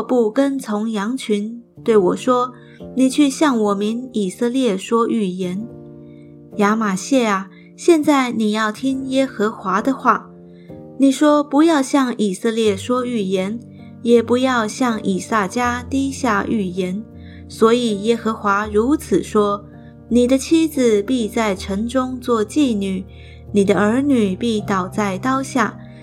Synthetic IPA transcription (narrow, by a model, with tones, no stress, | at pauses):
pu˥˩kə˥nt͡sʰʊ˧˥ŋjɑ˧˥ŋt͡ɕʰy˧˥n | t̪we˥˩ɪwɔ˨˩ʂwɔ˥ | ni˨˩t͡ɕʰy˥˧ɕjɑ˥˩ŋwɔ˨˩mi˧˥ni˨˩sɤ˥˧ljɛ˥˩ʂwɔ˥ʔy˥˩jɛ˧˥n | ja˧˥ma˨˩ɕjɛ˥˩a˩ | ɕjɛ˥˧nt͡sa˥˩ɪni˨˩jɑ˥˩ʊt̪ʰi˥ŋjɛ˥xɤ˧˥xwa˧˥d̪ə˧xwa˥˩ | ni˨˩ʂwɔ˥pu˧˥jɑ˥˧ʊɕjɑ˥˩ŋi˨˩sɤ˥˧ljɛ˥˩ʂwɔ˥y˨˩jɛ˧˥n | jɛ˨˩pu˧˥jɑ˥˧ʊɕjɑ˥˩ŋi˨˩sa˥˩t͡ɕja˥t̪i˥ɕja˥˧ʔy˨˩jɛ˧˥n | swɔ˧˥i˨˩jɛ˥xɤ˧˥xwa˧˥ɻu˧˥t͡sʰɹ̩˨˩ʂwɔ˥ | ni˨˩d̪ə˦t͡ɕʰi˥d͡zɹ̩˨pi˥˧t͡sa˥˩ɪʈ͡ʂʰɤ˧˥ŋʈ͡ʂʊ˥ŋt͡swɔ˥˧t͡ɕi˥˧ny˨˩˦ | ni˨˩d̪ə˦ə˞˧˥ny˨˩pi˥˩t̪ɑ˨˩ʊt͡sa˥˩ɪt̪ɑ˥ʊɕja̰˥˩